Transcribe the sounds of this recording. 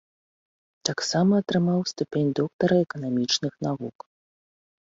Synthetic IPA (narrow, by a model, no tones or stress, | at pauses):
t̪aksamɐːt̪ɾɨmawst̪upʲenʲd̪ɔkt̪ɐɾɐɛkɐnamʲit͡ʂnɨxnavṵk